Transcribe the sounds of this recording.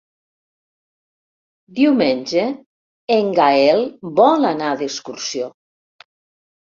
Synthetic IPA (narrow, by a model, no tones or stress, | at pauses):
d̪iwmenʲd͡ʒe | eŋɡaɛlbɔlanaðeskuɾsio